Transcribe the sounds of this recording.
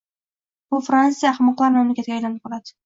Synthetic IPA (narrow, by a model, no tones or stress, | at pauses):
bʊfɾansijaχmɒqlˠaɾmamlakʲat̪ɡʲajlanɪp̚qʰɑlˠad̪ɪ̥